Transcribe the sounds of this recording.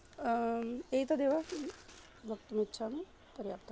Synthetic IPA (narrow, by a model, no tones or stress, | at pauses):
eit̪ad̪eːʋa | ʋək̚t̪əmitːʃʰanũ | pəɾjaːpt̪